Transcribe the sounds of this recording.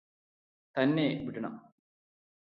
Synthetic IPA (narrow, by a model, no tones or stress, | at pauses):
t̪ɐnːeʋiɽɐɳɐ̰m